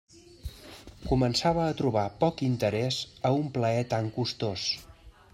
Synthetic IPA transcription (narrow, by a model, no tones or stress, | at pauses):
kumənsaβəːt̪ɾuβ̞apɔkint̪əɾɛzəumpləɛt̪aŋkust̪os